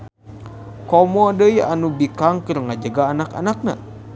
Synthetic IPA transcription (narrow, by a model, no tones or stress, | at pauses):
kɔmɔdəia̰nubikaŋkɨrŋad͡ʒəɡaːnaka̰nak̚na̰